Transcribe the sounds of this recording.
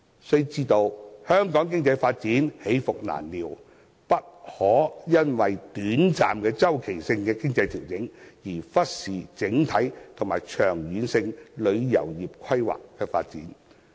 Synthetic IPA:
sɵ˥˧˥t͡siː˥t̪o˧whœː˥ŋkɔː˨˥ŋk̬ɪ˥ŋt͡sɐ˧jfaː˧t̚t͡siː˨˥nhe˨˥jfʊ˨k̚na̰ː˨˩nliː˨˩w | pɐ˥t̚hɔː˨˥jɐ˥nwɐ˨jt̪yː˨˥nt͡sa̰ː˨mkɛː˧t͡sɐ˥wkʰe˨˩jsɪ˧ŋkɛː˧kɪ˥ŋt͡sɐ˧jt̪ʰi˨˩wkɪ˨˥ŋjiː˨˩fɐ˥t̚siː˨t͡sɪ˨˥ŋt̪ʰɐ˨˥jt̪ʰŋmaː˨˩jt͡ʃʰœː˨˩ŋjyː˨˧nsɪ˧ŋlɵ˨˧ɥjɐ̰˨˩wjiː˨p̚kʰɐ˥jwa̰ː˨kːɛː˧fa̰ː˧t̚t͡sḭː˨˥n

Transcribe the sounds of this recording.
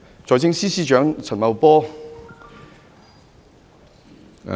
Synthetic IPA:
t͡sɔː˨˧jt͡sɪ˥ŋsiː˥siː˥t͡ʃœː˨˥ŋt͡sʰɐ˨˩nmɐ˨˧wpɔː˥

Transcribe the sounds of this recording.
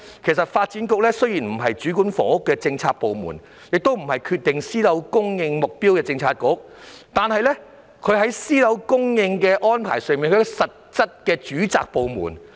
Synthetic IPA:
kʰe˨˩js̬ɐ˨t̚faː˧t̚t͡siː˨˥nkʊ˧k̚lɛ˥sɵ˥ɥjiː˨˩nm̩˨˩ɦɐ˨jt͡ʃyː˨˥kuː˨˥nfɔ̰ː˨˧˥ʊ˥kːɛː˧t͡sɪ˧ŋt͡sʰaː˧k̚po˨˧wmṵ˨˩n | jɪ˨k̚t̪o˥wm̩˨˩hɐ˨jkʰyː˧t̚t̪ɪ˨˩ŋsiː˥lɐ˨˧˥wkʊ˥ŋjɪ˧ŋmʊ˨k̚piː˥wkɛː˧t͡sɪ˧ŋt͡sʰaː˧t̚kʊ˧˥k̚ | t̪aː˨nhɐ˨jlɛ˥ | kʰɵ˨˧ɥɦɐ˨˥jsiː˥lɐ˨˧˥wkʊ˥ŋjɪ˧ŋkɛː˧ʔɔː˥npʰa̰ː˨˩jsœː˨ŋmiː˨nkʰɵ˧˥sɐ˨t̚t͡sɐ˥t̚kɛː˧t͡ʃyː˨˥t͡sa̰ː˨k̚po˨˧wmṵː˨˩n

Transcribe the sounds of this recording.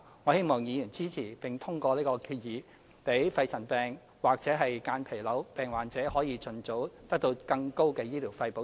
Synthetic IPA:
ŋɔː˨˧he˥jmɔː˨˩ŋjiː˨˧jyː˨˩nt͡siː˥t͡sʰiː˨˩pɪ˨˩ŋt̪ʰʊ˥ŋkɔː˧liː˥kɔː˧kʰyː˧t̚jiː˨˧ | pe˨˥jfɐ˧jt͡sʰɐ˨˩npɛː˨ŋ | waː˨˩k̚t͡sɛː˨˥ɦɐ˨jkaː˧npʰe˨˩lɐ˨˥wpɛː˨˩ŋwaː˨˩nt͡sɛː˨˥hɔː˨˥jiː˨˧t͡sɵ˨˧nt͡so˨˥wt̪ɐ˥k̚t̪o˧wkɐ˧ŋko˥wkɛː˧jiː˥liː˨˩wfɐ˧jpo˨˥

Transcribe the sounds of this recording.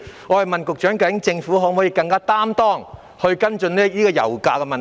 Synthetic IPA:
ŋɔː˨˧hɐ˨˩jmɐ˨nkʊ˨k̚t͡ʃœː˨˥ŋkɐ˧wjɪ˨˥ŋt͡sɪ˧ŋfuː˨˥ɦɔː˨˥mɔ˨˥jiː˧kɐ˧ŋkaː˥t̪aː˥mt̪ɔː˥ŋ | hɵ˧ɥkɐ˥nt͡ʃɵ˧nlɛː˥iː˥kɔː˧jɐ̰˨˩wka̰ː˧kɛ˧mɐ˨

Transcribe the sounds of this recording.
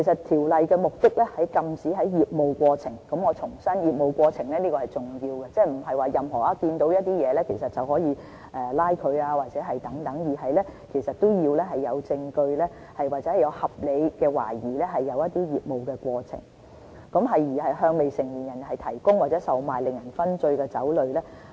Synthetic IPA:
ke˨˩sɐ˨tt̪ʰiː˨˩wlɐ˨jkɛː˧mʊ˨k̚t̪ɪ˥k̚lɛː˥hɐ˨jkɐ˨mt͡siː˨˥ɦɐ˨˥jjiː˨p̚mo˨˧wkʷɔː˧t͡sʰɪ˨˩ŋkɐ˨˥mŋɔː˨˧t͡sʰʊ˨˩ŋsɐ˥njiː˨p̚mo˨wkʷɔː˧t͡sʰɪ˨˩ŋlɛː˥niː˥kɔː˧hɐ˨jt͡sʊ˨˩ŋjiː˧wkɛ˧t͡sɛː˥m̩˨˩ɦɐ˨jwaː˨jɐ˨mɦɔː˨˩ʔaː˧kiː˧nt̪o˨˥wjɐ˥t̚t̪iː˥jɛː˨˧lɛː˥kʰe˨˩jsɐ˨t̚t͡sɐ˨wɦɔː˨˥jiː˨˧ | ʔɛː˨laː˥jkʰɵ˨˧ɥaː˧waː˨t̚t͡sɛː˨˥ɦɐ˨jt̪ɐ˨˥ŋt̪ɐ˨˥ŋjiː˨˩ɦɐ˨jlɛː˥kʰe˨˩jsɐ˨t̚t̪o˥wjiː˧wlɛː˥ɦɐ˨jːɐ˨˧wt͡sɪ˧ŋkɵ˧ɥlɛː˥ | hɐ˨jwaː˨t̚t͡sɛ˨˦˥hjɐ˨˧whɐ˨p̚le˨˧jkɛː˧wa̰ː˨˩jiː˨˩lɛː˥ɦɐ˨jːɐ˨˧wjɐ˥t̚t̪iː˥jiː˨p̚mo˨wkɛː˧kʷɔː˧t͡sʰɪ̰˨˩ŋ | kɐ˨˥mɦɐ˨jːiː˨˩hɐ˨jɦœː˧ŋme˨jsɪ˨˩ŋjiː˨˩njɐ˨˩nɦɐ˨jt̪ʰɐ˨˩jkʊ˥ŋwaː˨˩t͡sɛː˨˥sɐ˨wmaː˨jlɪ˨ŋjɐ˨˩nfɐ˥nt͡sɵ˧ɥkɛː˧t͡sɐ̰˨˥wlɵ˨ɥlɛː˥

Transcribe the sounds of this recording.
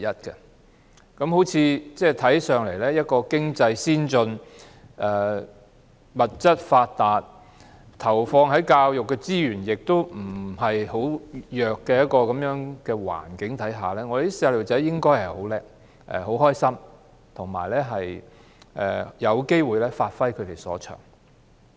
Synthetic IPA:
jɐ˥t̚kɛ˧ | kɐ˨˥mɦo˨˥wt͡sʰiː˨˧t͡sɛː˥˩t̪ʰɐ˨˥jsœː˨ŋle˨˩jlɛː˥jɐ˥t̚kɔː˧kɪ˥ŋt͡sɐ˧jsiː˥nt͡sɵ˧n | ʔɛː˨˩ | mɐ˨t̚t͡sɐ˥t̚faː˧t̚t̪aː˨t̚ | t̪ʰɐ˨˩wfɔː˧ŋɦɐ˨˥jkaː˧wjʊ˨kːɛ˧t͡siː˥jyː˨˩njɪ˨k̚t̪o˥wm̩˨˩hɐ˨jɦo˨˥wjœː˨kːɛː˧jɐ˥t̚kɔː˧kɐ˨˧mjœː˨˥ŋkɛː˧wa̰ː˨˩nkɪ˨˥ŋt̪ʰɐ˨˥jɦaː˨˩lɛː˥ŋɔ˨˧d̪e˨˦i˥sɛː˧lo˨˩t͡sɛ˨˥jɪ˥ŋkɔː˥jhɐ˨˩jho˨˥wlɛː˧k̚ | ʔɛ̰˨ho˨˥wɦɔː˥jsɐ˥m | t̪ʰʊ˨˩ŋma̰ː˨˩jlɛː˥ɦɐ˨j | ʔɛ̰ː˨˩jɐ˨˧wke˥jwuː˨jlɛː˥faː˧t̚fɐ˥jkʰɵ˨˧ɥɾe˨˩jsɔ̰ː˨˥t͡ʃʰœ̰ː˨˩ŋ

